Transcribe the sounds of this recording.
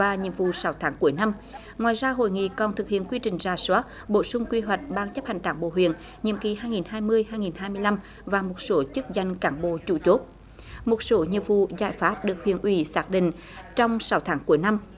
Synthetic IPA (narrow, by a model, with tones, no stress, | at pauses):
vaː˨˩ɲḭ˧˨əmvṵ˧˨sa˨˦wt̪ʰaː˨˦ŋku˧˩əjna˧m | ŋwaː˨jzaː˧ɦo̰˧˨jŋḭ˧˨kɔ˨˩nt̪ʰɨ˨k̚hḭ˧˨ənkwi˧t͡ɕï˨˩ŋ̟zaː˨˩swaː˨˦˥t̚ɓo˧˩sʊ˧ŋ͡mkwi˧ɦwa˨˩jk̟̚ɓaː˧ŋt͡ɕə˦˥p̚ha˧˨˩ŋ̟ɗaː˨˩ŋɓo̰˧˨ɦwḭ˧˨ən | ɲḭ˧˨əmki˨˩ɦaː˧jŋi˨˩nhaː˧jmɨ˧əjhaː˧jŋi˨˩nɦaː˧jmɨ˧əjla˧m | vaː˨˩mo˨˩t̚so˨˦t͡ɕɨ˦˥k̚za˧jŋ̟kaː˨˦ŋɓo̰˧˨t͡ɕṵ˧˩˦t͡ɕo˦˥t̚ | mo˨˩t̚so˨˦ɲḭ˧˨əmvṵ˧˨za̰ː˧˩jfaː˦˥p̚ɗɨ˨˩ək̚hwḭ˧˨ənʔwi˧˩˦saː˦˥k̚ɗḭ̈˧˨ŋ̟ | t͡ɕɔ˧wŋ͡msa˨˦wt̪ʰaː˨˦ŋku˧˩əjna˧m